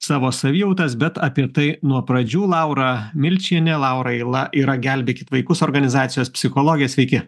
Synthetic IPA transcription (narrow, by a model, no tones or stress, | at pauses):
sɑːʋoːsɐʋʲiːjɐʊt̪ɐs̬bʲɛt̪ɐpʲɪɾt̪ɐɪnuɔpɾɐd͡ʒʲuːlˠɑʊɾɑmʲɪlʲt͡ʃʲiɛnʲɛlˠɑʊɾɐɛɪlˠɐʔiːɾɐɡʲælʲbʲeːkʲɪt̪ʋɐɪkʊsoːɾɡɐnʲɪzɑːt̪sʲɪjoːspʲsʲɪxoːlˠoːɡʲɪjɛːsʲʋʲɛɪkʲɪ